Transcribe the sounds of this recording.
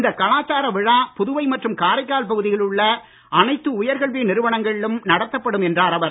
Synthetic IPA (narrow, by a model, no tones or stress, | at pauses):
ɪnd̪ɐkːɐlaːt͡ʃːaːɾɐʋɪɻaːpʊðʊʋɐɪmɐʈrɯmkaːɾɐɪkːaːlpɐɣɯðɪɣɐɭɯɭːɐ | ʔɐnɐɪt̪ːɯʊjɐɾɣɐɭʋeːnɪɾɯʋɐɳɐŋɡɐɭɪlɯmnɐɽɐt̪ːɐpːɐɽɯmɛndraːɾɐʋɐɾ